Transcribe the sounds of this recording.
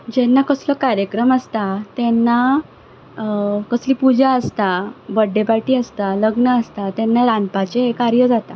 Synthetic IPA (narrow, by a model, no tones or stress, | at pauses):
d͡ʑɛnːakəsləkaɾjəkɾəməst̪at̪ɛnːa | kəsliːpud͡ʑaəst̪abəɖːepaʈiːəst̪aləɡnəəst̪at̪ɛnːaɾãnpat͡ɕeɦekaɾjəd͡zat̪a